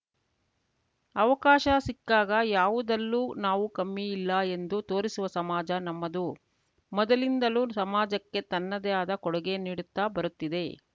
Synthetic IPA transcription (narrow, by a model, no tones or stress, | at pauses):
ɐʋɐkaːʃɐsikːaːɡɐjaːʋud̪ɐlːuːnaːʋukɐmːiilːɐe̞nd̪ut̪o̞ːɾisuʋɐsɐmaːd͡ʒɐnɐmːɐd̪u | mɔd̪ɐlind̪ɐluːsɐmaːd͡ʒɐkːe̞t̪ɐnːɐd̪ɛjaːd̪ɐkɔɽɛɡe̞niːɽut̪ːaːbɐɾut̪ːid̪e̞